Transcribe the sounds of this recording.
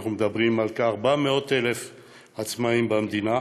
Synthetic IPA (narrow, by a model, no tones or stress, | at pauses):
χnumed̪abʁimalkaːʁbameo̞t̪elef | at͡smaimbamd̪ina